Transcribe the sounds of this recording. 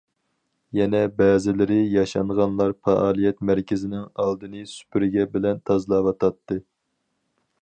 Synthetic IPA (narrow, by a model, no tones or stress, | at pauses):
jɛnɛbɛːzɪlɪɾɪjɑʃɑɴʁɑnlˠɑɾfɑʔɑːlˠijɛt̪mæɾkʲɪzɪnɪŋɑlˠd̪ɨnɨsy̥pʰyɾɪɡʲɛbɪlɛnt̪ʰɑzlˠɑwɑt̪ʰɑt̪ːɨ